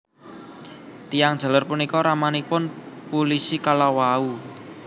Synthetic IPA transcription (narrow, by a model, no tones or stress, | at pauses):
t̪ijaŋd̥ʒ̥a̤larpunikɔɾamanipʊnpulisikalawau